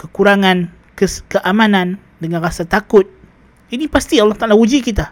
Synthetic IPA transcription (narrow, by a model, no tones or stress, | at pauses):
kəkuɾaŋan | kəskəʔamãnan | dəŋanrasat̪akʊt̪̚ | inipast̪iɑlːɑht̪alawud͡ʒikit̪a